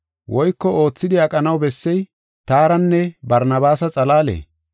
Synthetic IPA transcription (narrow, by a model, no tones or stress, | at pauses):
wʔɔjkːɔo̞ːt͡sːɪd̪ɪɐkʼɐnɐwbɛsːɛj | t̪aːɾɐnːɛbɐɾnɐbaːsɐt͡sʼɐlaːlḛː